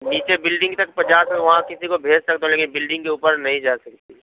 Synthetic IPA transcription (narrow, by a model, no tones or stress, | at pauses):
niːt͡ʃebɪlɖɪ̃ŋɡt̪ɐk̚pɐt͡ʃaːsmʋɐɦãkɪsikobʱeːd͡ʒsɐkt̪ẽɦleːkɪnbɪlɖɪ̃ŋɡkeuːpəɾnɐɦĩd͡ʒaːsɐkt̪i